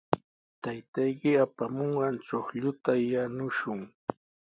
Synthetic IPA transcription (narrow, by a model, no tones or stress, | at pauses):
t̪ajt̪ajkɪapamoɴɢɑnt͡ʃoχʎʊt̪ajanʊʃʊŋ